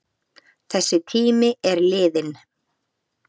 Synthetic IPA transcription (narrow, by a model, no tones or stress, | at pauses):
θɛsːɪt̪ʰiːmɪɛɾlɪːðɪn